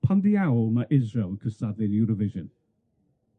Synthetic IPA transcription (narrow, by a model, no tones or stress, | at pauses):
pʰanðiawlˠmaʔɪzɹelˠkʰəstadɪnjuɾɔvɪʒə̃n